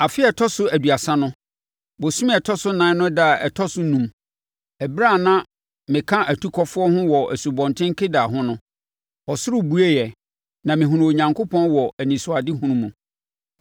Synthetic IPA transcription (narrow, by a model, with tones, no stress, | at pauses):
a˨fɪ˦ɛ˨tʰɔ˦sʊ˦æ˨du˨a˨sã˦nʊ̃˦ | bo˨sũ˦m˦ɛ˨tʰɔ˦sʊ˦nã˨˦nʊ̃˦da˦˨ɛ̰˨tʰɔ˦sʊ˦nũ˦m | ɛ˨bɾa˦˨nã˦ | mɪ̃˨kʰã˦ʔæ˨tʰu˦kʰɔ˦fʊ˦ɔ˦hʊ̃˦wɔ˨ʔæ˨su˨bɔ̃˨ntʰɪ̃˦ŋ˦kʰe˦daː˨ɦʊ̃˦nʊ̃˦ | ɔ˨sʊ˦ɾʊ˦bu˦e˦jɛ˨ | nã˨mɪ̃˨ɦũ˨ɾũ˨o˨ɲã˨ŋkʰo˦pʰɔ̃˦nwɔ˨æ˨nĩ˨sʊ˨a˨dɪ˦ɦũ˦ɾũ˦mũ˨